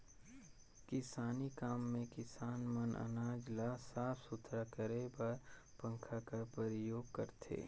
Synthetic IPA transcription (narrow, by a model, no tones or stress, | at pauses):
kɪsaːnikaːmːẽkɪsaːnmənʔə̰naːd͡ʒlaːsaːpsʊt̪ʰɾakəɾebɐɾpə̃ŋkʰakapəɾɪjoːɡ̚kɐɾt̪ʰḛː